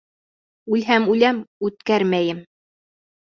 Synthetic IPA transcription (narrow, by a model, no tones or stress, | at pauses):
ʉlɦæmʉlæmʉt̪kæɾmæjɘm